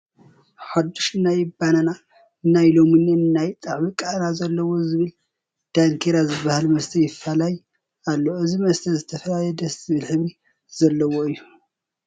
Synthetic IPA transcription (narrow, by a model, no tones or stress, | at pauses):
ħad̪ːuʃɨnajɪbanana | ɨnːajlo̞mɨnːenɨnajt͡s̪ʼaʕwikʼaʔnazɐlːɐwo̞zɨβɨl | d̪̥aŋkʰeɾazɨbahalmɐst̪ʰɐjɪfːalaj | alːo̞ɨzimɐst̪ʰɐzɨt̪ʰɐfɐlajɛd̪ɐsɨβɨlħɨβɾi | z̥ɐlːɐwoɨjːu